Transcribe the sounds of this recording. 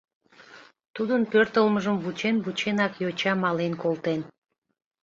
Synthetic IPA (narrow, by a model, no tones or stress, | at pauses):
t̪ud̪unpøɾt̪əlˠmɤʒɯmvut͡ʃenbut͡ʃenɑkjot͡ʃɑmɑlˠenkolˠt̪en